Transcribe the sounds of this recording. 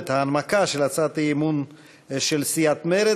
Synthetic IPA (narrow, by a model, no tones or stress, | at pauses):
t̪haːnmakaʃelat͡sat̪aimun | ʃelsijat̪meɾe